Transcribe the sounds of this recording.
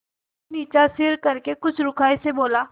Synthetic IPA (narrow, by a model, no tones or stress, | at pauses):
niːt͡ʃasɪɾkɐɾkekʊt͡ʃʰɾʊkʰaːeseboːlaː